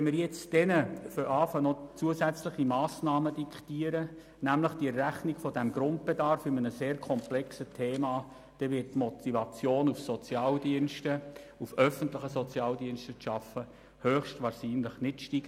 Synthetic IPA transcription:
ɛmɪɾjɛt͡sd̥ɛnəføɾʔɑːfənɔt͡suəsæt͡slɪχimɑːsnɑːməd̥ikχtiəɾə | næmləχd̥iɛrːæχniɡfɔdɛmɡɾʊnt̚b̥edɑɾfʏmənəseːɾkʰɔmplɛksətʰeːmɑː | d̥ɛʋɪət̚tːmɔtʰivɑt͡sjoːnufsɔt͡sjɑːldiənʃtə | ufœfəntlɪχəsɔt͡sjɑːldiənʃtəʃɑfə | høːχʃtʋɑːɾʃiːnlɪχnɪtʃtiɡ̥ə

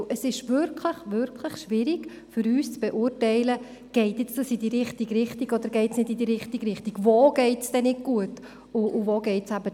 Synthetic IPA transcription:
ʔəsɪʃʋʏɾkʰləχʋʏɾkʰləχʃʋɪɾiɡ | fʏɾyːst͡sb̥ɛʔʊrtɛɪlə | ɡ̥ɛɪtjɛt͡sd̥ɑsidiɾɪχtiɡɾɪχtiɡɔd̪əɾɡɛɪtsnɪdidiɾɪχtiɡɾɪχtiɡ̥voːɡ̥ɛɪtsd̥ɛnɪd̚ɡ̥uət | ʊʔːvoːɡɛɪtsæbə

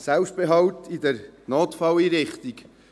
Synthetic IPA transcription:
sɛlpst̚b̥eɦɑwtid̥ɛɾnoːtfɑliːɾɪχtik

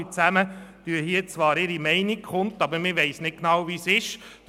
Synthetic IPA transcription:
it͡sæmətyəhiət͡sʋɑːɾɪɾimɛɪnikχʊnt̪ɑbəɾmɪʋɛɪsnɪt̚knɑwvisɪʃ

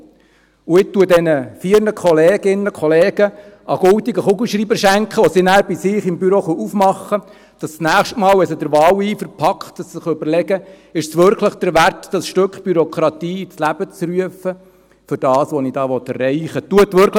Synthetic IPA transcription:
uɪtːuədɛnəfiːɾnəkʰχɔleːɡɪnːəkʰχɔlɛːɡ̥ə | ɑɡ̥ʊlt̪iɡəχʊɡlʃɾiːbəɾʃæŋkχəɔsinæːɾb̥isɪːχɪmbyɾoːχɔʔufmɑχːə | d̪̥ɑst͡snæːχʃtmɑːlɛsədəɾʋɑːwiːfəɾpʰɑkχtssɪχøbəɾlɛɡə | ɪʃsʋøɾkʰləχd̥əɾʋærtd̥ɑsʃtøkχb̥yɾɔkʰɾɑt̪iːt͡slæb̥ət͡sɾyəfə | fʏɾd̥ɑːsʋɔnid̥ɑːʋɔt̪ɛrːɛɪχət̪uətʋɵɾk

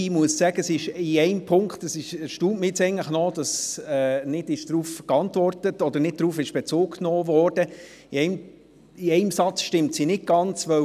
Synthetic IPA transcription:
imuəssæɡ̥əsɪʃiɛɪmpʰʊŋktəsɪʃʃtuːtməjɛt͡sɛɪənləχnɔd̥ɑsɛːnɪdɪʃd̥ɾuːfkɑntʋɔrtətɔd̪ənɪd̚d̥ɾuːfɪʃb̥ɛt͡soːkknɔːvɔːrd̥ə | iɛɪ | iɛɪmsɑt͡sʃtɪmtsinɪt̚ɡ̥ɑnt͡sʋœ

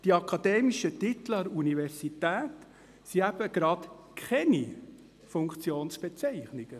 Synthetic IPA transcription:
d̥iɑkʰɑd̥̪ɛːmiʃət̪ɪt̪ləɾunivɛɾzitæːt | siæb̥əɡ̥ɾɑt̪ | kʰχɛni | fʊŋkt͡sjoːnsb̥ɛt͡sɛɪχniɡ̥ə

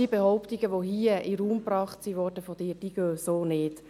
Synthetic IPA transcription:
ibehɔʊpt̪iɡəʋohiəɪɾuːmprɑːχtsiʋɔːɾd̥əfɔd̥ɪːɾd̥iːɡøːsoːnɪːt

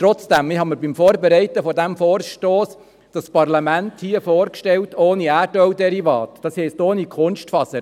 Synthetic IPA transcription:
t̪ɾɔt͡sd̥æmɪɦɑməɾbimfoːɾbɛɾɛɪtəfɔdæmfoːɾʃtoːs | d̥ɑspɑrlɑmænthiəfoːɾkʃtɛltʰoːniæːɾdœwdɛɾivɑːt̪d̥ɑshɛɪstoːnikʰʊnʃtfɑsə

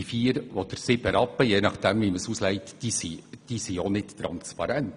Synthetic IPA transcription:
ifiːəɾʋɔdəɾsɪbəɾɑpːəjeːnɑχd̥ɛmviməsuslɛɪtd̥isid̥isionɪttɾɑ̰nspɑɾænt

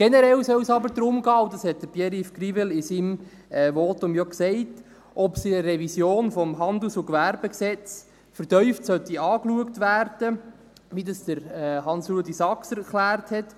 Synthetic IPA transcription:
ɡ̥ɛnəɾɛlsœwsɑbəɾd̪ɾʊmɡɑːʊdɑshɛt̚d̥əɾb̥jɛɾifkɾivɪlɪsim | ɛːʋɔtʊmjɔksɛɪt | ʔɔpsiəɾɛvisjoːnfɔmɦɑnd̪lusʊkʋæɾb̥ɛksɛt͡s | fəɾtœʏftsœtiɑːkluəktʋæːɾd̥ə | ʋidɑsd̥̪əɾɦɑnsɾuədisɑksɛɾklæːɾthɛt

